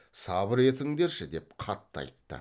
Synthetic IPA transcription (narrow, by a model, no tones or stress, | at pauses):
sɑbəɾe̞t̪ɪŋd̪e̞ɾʃɪd̪e̞p̚qʰɑt̪ːəɑ̰jt̪ːə̰